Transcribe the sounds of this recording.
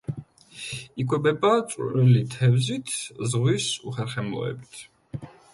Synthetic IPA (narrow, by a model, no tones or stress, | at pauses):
ikʰwɛbɛbat̪sʼɾilit̪ʰɛvzit̪ʰzʁwisuχɛɾχɛmɔ̰ɛ̰bit̪ʰ